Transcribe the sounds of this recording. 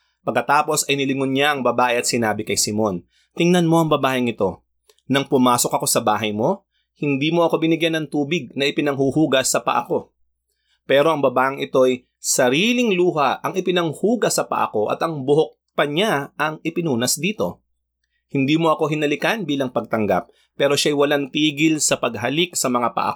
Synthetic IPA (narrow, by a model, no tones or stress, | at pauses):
pɐɡkːɐt̪aːpo̞sɐjnɪlɪŋonɲaʔɐŋbɐbaːʔɛɐt̪̚sɪnaːbɪkɐjsɪmo̞n | t̪ɪŋnɐnmo̞ʔɐŋbɐbaːʔɪŋɪt̪o̞ | nɐŋpʊmaːso̞kɐkosɐbaːɦɐjmo̞ | hɪnd̪iːmoɐko̞bɪnɪɡjanɐŋt̪uːbɪɡ̚nɐʔɪpɪnɐŋɦuhuːɡɐsːɐpɐ̰ʔɐ̰ko̞ | pɛːɾo̞ʔɐŋbɐbaːʔɪŋɪt̪o̞ɐj | sɐɾiːlɪŋluːɦɐʔɐŋɪpɪnɐŋhuːɡɐsɐpɐ̰ʔɐ̰ko̞ʔɐ̰t̪ɐŋbʊɦok̚pɐɲaʔɐŋɪpɪnuːnɐsd̪iːt̪o̞̰ | hɪnd̪iːmo̞ʔɐko̞ɦɪnɐlɪkanbiːlɐŋpɐɡ̚t̪ɐŋɡa̰p̚ː | ɛːɾo̞ʃaɐjwɐlant̪iːɡɪlsɐpɐɡ̚ɦɐlɪksɐmɐŋapɐ̰ʔɐ̰